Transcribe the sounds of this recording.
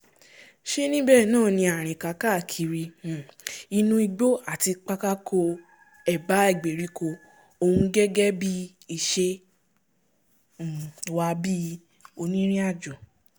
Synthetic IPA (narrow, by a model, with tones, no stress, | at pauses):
ʃe˦nĩ˦bɛ˦˨nãː˦˨nĩ˧a˨ɾ̃ĩ˨ka˧˦ka˦˨kʰi˨˦ɾĩ˧˨ | i˧nũ˧i˧ɡ͡bo˦a˦˨ti˧k͡pa˦ka˦kʰo˧ | ɛ˨ba˨˦ɛ˦˨ɡ͡be˨ɾi˨˦ko˧ | o˧hũ˧˦ɡɛ˦ɡɛ˦bi˦ | i˧˨ʃe˧˨ | wa˧bi˦˧ | o˧nĩ˦ɾ̃ĩ˦a˦˨d͡ʒo˨